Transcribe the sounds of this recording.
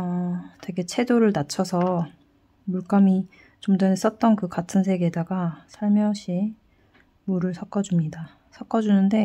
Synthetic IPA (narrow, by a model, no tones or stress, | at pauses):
atwe̞ɡe̞t͡ɕʰe̞doɾɯɭnat͡ɕʰʌsʰʌ | muɭk͈ami | t͡ɕomdanes͈ʌt̚t͈ʌnkɯkatʰɯnsʰe̞ɡe̞daɡasʰaɭmjʌɕʰi | muɾɯɭsʰʌk͈ʌd͡ʑumɲida | sʰʌk͈ʌd͡ʑunɯnde̞